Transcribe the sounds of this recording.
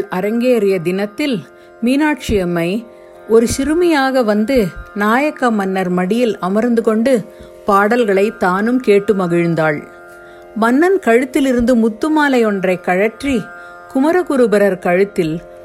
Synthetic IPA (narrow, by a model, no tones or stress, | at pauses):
ʔɐɾɐŋɡeːɐɾɪjɐd̪ɪnɐt̪ːɪl | miːnaːʈt͡ʃɪjɐmɐɪ | ɔɾɯsɪɾɯmɐjaːɣɐʋɐnd̪ɯnaːjɐkːɐmɐnːɐɾmɐɽɪjɪlɐmɐɾnd̪ɯkɔɳɖɯ | paːɽɐlɣɐɭɐɪt̪ːaːnɯmkeːʈːɯmɐɣɪɻnd̪aːɭ | mɐnːɐnkɐɻɯt̪ːɪlɪɾɯnd̪ɯmʊt̪ːɯmaːlɐjɔɳdrɐɪkːɐɻɐʈri | kʊmɐɾɐkʊɾɯbɐɾɐɾkɐɻɯt̪ːɪl